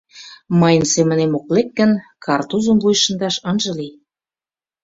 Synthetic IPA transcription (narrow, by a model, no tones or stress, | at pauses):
mɤjə̆nsemə̆nemoklek̚ːə̆nkʰɑrt̪uzə̆mvujʃə̆nd̪ɑʃɤ̆nʒɤ̆li